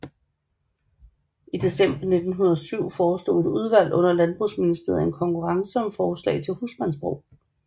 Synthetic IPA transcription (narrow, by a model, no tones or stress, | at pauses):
id̥e̝sem̰b̥ɐne̝d̥n̩ɦunɐðˠsyʊ̰fɒːsd̥o̝̰ːe̝d̥uð̞ˠʋæl̰ʔɔ̽n̰ɐlænb̥ʁusminisd̥e̝ːɐ̰e̝nkʰɒ̽ŋkʰuʁɑ̈ŋsəɒ̽mfɒːslɛ̰ɪt͡sʰe̝lhusmænsb̥ʁo̰ʊ̰